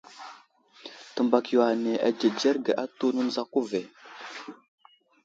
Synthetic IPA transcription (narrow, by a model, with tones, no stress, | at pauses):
tə˨mba˨kjwa˨ne˨ʔa˨d͡ʒe˨d͡ʒe˦ɾɡa˨ʔa˦tu˦nə˦n˦za˦ku˦ve˨